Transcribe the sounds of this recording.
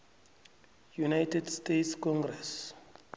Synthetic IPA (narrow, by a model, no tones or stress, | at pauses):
junajtʰɛdstetskʰɔ̃ŋɡrɛs